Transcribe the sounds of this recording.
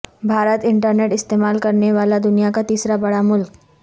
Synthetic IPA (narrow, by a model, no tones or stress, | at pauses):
bʱaɾət̪ɪɳʈəɾneʈɪst̪emalkəɾɳeʋalad̪ʊnijakat̪iːsɾabɐɽamʊlk